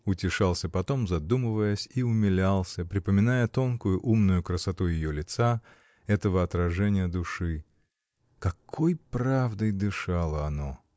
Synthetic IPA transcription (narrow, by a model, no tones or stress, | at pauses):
ʊtʲɪʂalˠsʲəpɐt̪o̞mzɐd̪umɨvəjəsʲiʊmʲɪlʲalˠsʲəpɾʲɪpəmʲɪnajət̪o̞nkʊjʊʔumnʊjʊkɾəsɐt̪ujɪjolʲɪt̪sa | ɛt̪əvəɐt̪ɾɐʐɛnʲɪjəd̪ʊʂɨ | kɐkʰojpravd̪əjd̪ɨʂalˠəɐno